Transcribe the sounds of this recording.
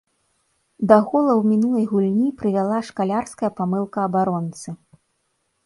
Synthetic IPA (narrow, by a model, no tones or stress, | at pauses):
d̪ɐɣɔlˠɐwmʲinulˠɐjɣulʲnʲipɾɨvʲalˠaʂkalʲarskɐjɐpamɨlˠkɐːbaɾɔnt̪sɨ